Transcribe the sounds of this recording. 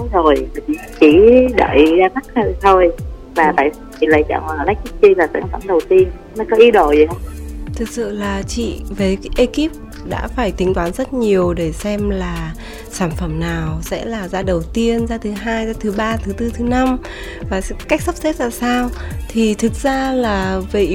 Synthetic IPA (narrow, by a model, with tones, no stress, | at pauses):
zo˨˩ja˨˩i˧˩t͡ɕi˧˩˦ɗə̰ː˧˩jzaː˧xa˦˥k̚ə˧t̪ʰo˧˩j | vaː˨˩t̪a̰ː˧˨jst͡ɕʰi˨˩lə̰˧˨jt͡ɕa̰ː˧˩ŋaː˨˩la˦˥k̚kʰi˦˥p̚t͡ɕi˧laː˨˩sa̰ː˧˩nfə˧˩mɗə˨˩wt̪i˧ən˧˦nɔ˨˦kɔ˨˦ʔi˨˦ɗo˧˩zhə˧wŋ͡mt̪ʰɨ˨˩k̚sɨ̰˧˨laː˨˩t͡ɕḭ˧˨vəː˨˦jʔə˧ki˦˥p̚ | ɗa̰ː˧˥faː˧˩jt̪ï˨˦ŋ̟t̪waː˨˦nzə˦˥t̚ɲi˨˩əwɗe˧˩sɛ˧mlaː˨˩ | saː˧˩nfə˧˩mnaː˨˩wsɛ̰˧˥laː˨˩zaː˧ɗə˨˩wt̪i˧ənzaː˧t̪ʰɨ˨˦ɦaː˧jzaː˧t̪ʰɨ˨˦ɓaː˧t̪ʰɨ˨˦t̪ɨ˧t̪ʰɨ˨˦na˧m | vaː˨˩˥ka˦˥k̚sə˦˥p̚sɛ˦˥t̚laː˨˩saː˧wt̪ʰi˨˩t̪ʰɨ˨˩k̚zaː˧laː˨˩və̰˧˩